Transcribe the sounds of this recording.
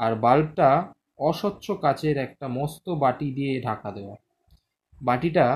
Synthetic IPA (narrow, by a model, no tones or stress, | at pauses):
aɾbalʈa | ɔʃɔtːɕʰokat͡ɕeɾɛk̚ʈamɔst̪obaʈid̪ijeɖʱakad̪eoa | baʈiʈa